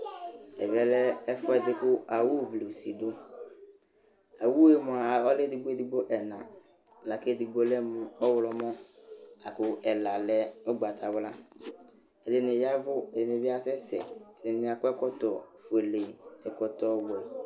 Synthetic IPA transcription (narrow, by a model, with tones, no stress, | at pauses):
ɛ˨vɛ˦lɛ˦ɛ˦fɔ˦ɛ˨dɪ˦kʊ˦a˨wu˦˨vli˨si˨dʊ˦ | a˨wu˦e˨mʊ̃˨a˨ɔ˦lɛ˦dɪ˨ɡ͡be˦dɪ˦ɡ͡bo˦ʔɛ˨nã˨ | la˨ke˦˨di˨ɡ͡bo˦lɛ˦mʊ̃˨ɔ˦wlɔ˨mɔ̃˦a˨kʊ˦ɛ˨la˨lɛ˦o˦ɡ͡ba˨tʰa˨wla˦ | ɛ˨dɪ˨˦nɪ˨ja˦vʊ˦ɛ˨dɪ˨nɪ̃˨bɪ˦a˦sɛ˦sɛ̰˨ɛ˨dɪ˨nɪ˨˦a˨kʊ˦ɛ˦kɔ˦tɔ˨fu˨e˨le˨ɛ˨kɔ˨t̪ɔ˦wɔ˨